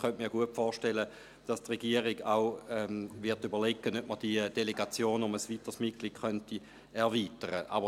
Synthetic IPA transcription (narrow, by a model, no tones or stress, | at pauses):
χœntmiːɐɡuətfɔːʃtelə | d̥ɑstʁeɡ̥iəʁiɡaʊɛvɪɐtybɐʁlekːənøp̚məd̥iəd̥eleɡat͡sjoːnʊməsʋitəsmitkliːd̥χœnti | ɛʁʋiːtəʁə̰ʔɑ̰bə